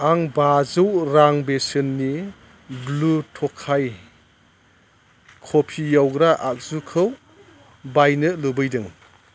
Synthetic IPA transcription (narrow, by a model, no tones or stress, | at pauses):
aŋbazɯwɾaŋbesɯnːi | blutʰɔkʰːaj | kʰopʰijawɡɾaʔak̚z̥ukʰɯw | bajnɯlubɯjdɯŋ